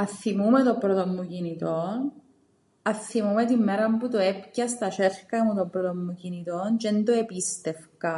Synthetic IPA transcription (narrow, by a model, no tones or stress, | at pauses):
aθːimumɛt̪ɔbɾɔt̪omːukinit̪ɔn | aθːimumɛt̪imːɛɾamput̪oɛpkjast̪at͡ʃɛrkamut̪ɔbːɾɔt̪omːukinit̪ɔnt͡ʃɛnt̪oepist̪ɛfka